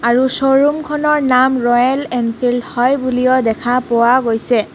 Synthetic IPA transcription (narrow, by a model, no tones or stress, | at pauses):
aɹusoɹumkʰɔnɔɹnamɹɔjɛlɛnpʰildhɔjbulijɔdɛkʰapowaɡojsɛ